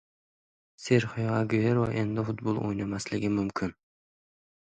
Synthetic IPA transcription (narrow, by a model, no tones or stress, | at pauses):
seɾχojʁɑɡojeɾwaʔend̪ɪfʊt̪bolˠʔo̰jnamaslɪɡʲɪmʊmkʰʲɪn